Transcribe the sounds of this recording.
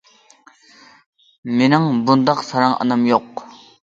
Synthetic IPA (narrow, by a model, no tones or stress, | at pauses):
menɪŋbund̪ɑqsɑɾɑŋə̰nɑmjoq